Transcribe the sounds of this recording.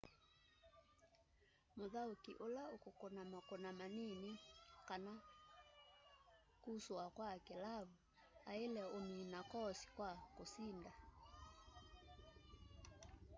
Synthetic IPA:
moðaokiʔolaokokonamakonamanenikana | kusoakwakelaβu | aelɛominakɔsi̥kwakosinda

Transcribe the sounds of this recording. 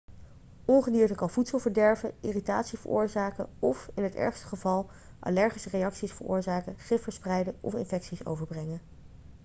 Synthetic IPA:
ɔnχədiːɹtəkɑnvutsəlˠvəɹdɛɹvəiːritaːtsivə̰ɹʔʊ̰ːɹzaːkə̰ɔfɪnɦətɛ̰ɹχstə̥χəvɑlˠ | ʔa̰lɛɹχisərejɑksisfəɹʊ̰ːɹzaːkəχɪfəɹsprɛjdəʔɔ̰fɪ̰nfɛksiso̰wvəɹbrɛŋə

